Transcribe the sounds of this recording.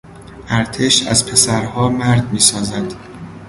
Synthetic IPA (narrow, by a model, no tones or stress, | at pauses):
ʔæɾt̪ʰeʃæ̰zpʰe̞sæɾhɒːmæɾd̪miːsɒːzæd̪̥